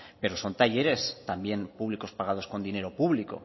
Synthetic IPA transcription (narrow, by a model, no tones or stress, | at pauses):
pe̞ɾo̞so̞nt̪aʎe̞ɾe̞st̪ambje̞npuβ̞liko̞spaɣ̞að̞o̞sko̞nd̪ine̞ɾo̞puβliko̞̰